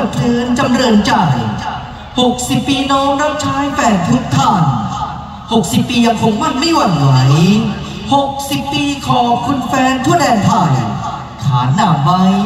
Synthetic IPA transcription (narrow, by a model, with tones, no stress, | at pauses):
a˨˩t̪ʰɯː˨˧˦nt͡ɕa˧mɾɤː˧nt͡ɕa˧˩j | ho˨˩k̚si˨˩pːiː˧nɔː˦˥mɾa˦˥p̚t͡ɕʰaː˦˥jfɛː˧˩nt̪ʰu˦˥k̚t̪ʰa˥˩n | ho˨˩k̚si˨˩pːiː˧ja˧ŋkʰo˧ŋmaː˥˩nmi˥˩jwa˧˩nwa˩˦j | ho˨˩k̚si˨˩pːiː˧kʰɔː˨˩˦kʰu˧nfɛː˦˥nt̪ʰu˥˩ədɛː˧nt̪ʰa˧˩j | kʰaː˩˦naː˨˩m̚wa˦˥j